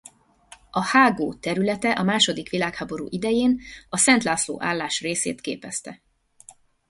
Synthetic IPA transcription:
ɒhaːɡoːt̪ɛɾylɛt̪ɛʔɒmaːʃo̞d̪ikʋilaːkhaːbo̞ɾṵːʔid̪ɛjeːnɒsɛnt̪laːslo̰ːʔa̰ːlːaːʃreːsḛːt̪kḛːpɛst̪ɛ̰

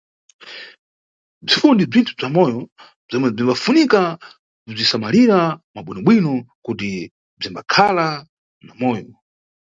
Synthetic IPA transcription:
b͡ʐifundib͡ʐintʰub͡ʐamɔjɔ | b͡ʐɔmɛb͡ʐimbafunika | kub͡ʐisamaliɾamaɓwinɔɓwinɔkuti | b͡ʐimbakʰala | namɔːjɔ

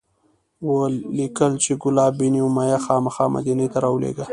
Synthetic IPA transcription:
wəlikəlt͡ʃeɡʊlɑːbiniwmajaxɑmaxɑma̰d̪inet̪aɾɑwlḛɡa

